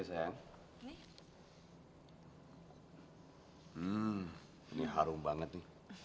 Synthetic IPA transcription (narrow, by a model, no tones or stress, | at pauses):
asajaŋ | m̩ | iniɦaɾʊŋbaŋət̪̚nɪ